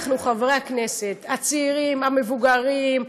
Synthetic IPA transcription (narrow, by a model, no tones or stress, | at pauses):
χnuχavʁeakne̞se̞t̪at͡siːʁimame̞vuɡaʁim